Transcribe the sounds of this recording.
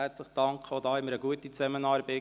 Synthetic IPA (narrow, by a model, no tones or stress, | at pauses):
ɛrt͡sləχəd̥ɑŋkχəodɑːɪmːəɾəɡuətit͡sɛmənɑːɾbɛ